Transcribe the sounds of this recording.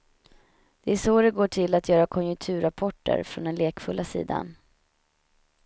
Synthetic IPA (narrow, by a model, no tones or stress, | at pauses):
d̪̥ɛæʂoːd̪ɛɡoːʈʰɪlːat̪ʰjœːɾakʰɔnjɵŋt̪ʰʉ̟ːɾapʰɔʈːə̰ɾfɾɔnd̪ɛnleːkfɵlːasḭːd̪a̰n